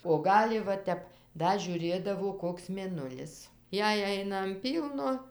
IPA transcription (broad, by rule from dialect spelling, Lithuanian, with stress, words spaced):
oː ˈɡɑːlʲɪ ʋɐ ˈtʲɛp ˈdɐ ʒʲuːˈrʲeːdɐʋoː ˈkoːks mʲeːˈnʊlʲɪs ˈjɛɪ ˈɐɪnɐ ɐn ˈpʲiːlˠnoː